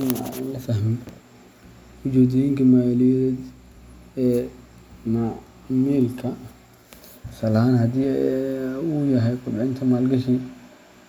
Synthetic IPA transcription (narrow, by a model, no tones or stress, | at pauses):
na̰nlɐfaɦmɛ | ʊd͡ʒɛːd̪ɪjiŋkʰɐmaːlijɾɛd̪ | ɛː | ma | mɛːlkʰɐ | sɐlɐhaːnhɐd̪iː | uːjɐɦɛjkʰʊbɪʕɪnt̪ʰɐmaːlɡɐʃi